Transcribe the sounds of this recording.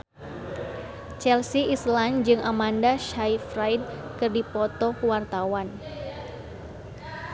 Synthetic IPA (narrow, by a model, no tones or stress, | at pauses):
t͡ʃɛlsiisland͡ʒɨŋʔamandaʃajfɾajd̚kɨrdipɔt̪ɔwart̪awan